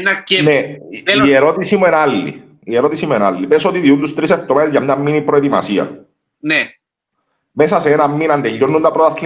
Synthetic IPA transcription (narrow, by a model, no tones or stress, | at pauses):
nɐneieɾo̞t̪isimue̞nalːḭ | ieɾo̞t̪isimuenalːipesot̪iðiunt̪ust̪ɾiseft̪omaðezʝɐmɲamːinipɾoet̪imɐ̰siɐ̰ | ne | mesɐseenɐmːinɐnd̪eʎːonːund̪ɐpɾot̪ɐθi